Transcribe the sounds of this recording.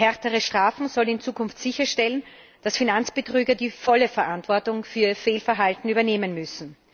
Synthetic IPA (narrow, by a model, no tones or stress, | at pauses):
hɛɐtəʁəʃtʁ̥aːfn̩zɔlnɪnt͡suːkʰʊnftz̥ɪçɐʃtɛlən | d̥asfinant͡sb̥ətʁyːɡɐdiːfɔləfɛɐʔantv̥ɔɐtʊŋfyːɐfeːlfɛɐɦaltn̩yːbɐneːmənmʏsn̩